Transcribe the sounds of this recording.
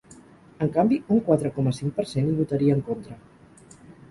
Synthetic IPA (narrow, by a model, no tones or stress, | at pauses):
əŋkambiuŋkwat̪ɾəkɔməsiŋ̚pəɾseniβut̪aɾiəːŋkont̪ɾə